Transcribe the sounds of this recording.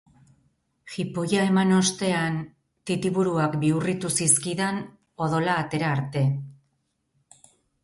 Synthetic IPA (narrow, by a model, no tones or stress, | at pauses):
xipo̞jae̞mano̞st̪e̞an | t̪it̪iβuɾuakbiurit̪usiskiðen | o̞ðo̞laːt̪e̞ɾaːɾt̪e̞